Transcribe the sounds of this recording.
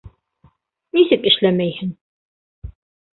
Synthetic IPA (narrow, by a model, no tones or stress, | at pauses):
nisɘkɘ̆ʃlæmæjhɘn